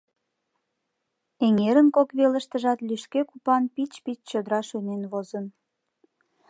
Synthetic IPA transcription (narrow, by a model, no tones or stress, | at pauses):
eŋeɾənkokβelə̆ʃt̪əʒɑt̪lyʃkekupɑnpit͡ɕpit͡ɕt͡ɕod̪əɾɑʃønenβozən